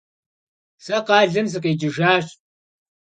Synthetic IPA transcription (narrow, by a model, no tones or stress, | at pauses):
sɐqɑːɮɨmz̬ɨqeːd͡ʒɪʒaːɕʼ